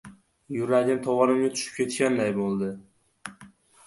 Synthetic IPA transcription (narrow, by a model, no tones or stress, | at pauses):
jʊɾaɡʲɪmt̪ʰɒwɒnɪmnʲɪt̪ʰʊ̥ʃɪ̥p̚kʲʰe̞t̪kʲand̪ajbolˠd̪ɪ